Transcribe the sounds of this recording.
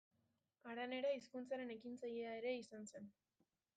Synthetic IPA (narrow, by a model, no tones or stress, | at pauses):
aɾane̞ɾaiskunt͡saɾe̞ne̞kint͡sajeae̞ɾe̞isanse̞n